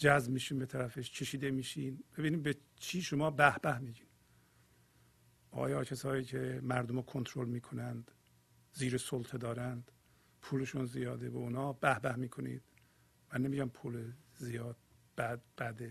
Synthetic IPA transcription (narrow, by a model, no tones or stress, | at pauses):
d͡ʒæzbmiːʃiːnbet̪ʰæɾæfeʃcʰe̞ʃiːd̪emiːʃiːnbe̞biːniːd̪bet͡ʃʰiːʃomɒːbæhbæhmiːɟiːn | ʔɒ̰ːjɒːcʰesɒːiːcʰemæɾd̪omɔkʰont̪ʰɾolmiːkʰo̞nænd̪ | ziːɾesolt̪ʰed̪ɒːɾænd̪̥ | pʰuːleʃunzijɒːd̪ebeunɒːb̥æhbæhmiːkʰo̞nḭːd̪̥ | mænːemiːɟæmpʰuːlezijɒːd̪̥̚ | b̥æd̪b̥æd̪e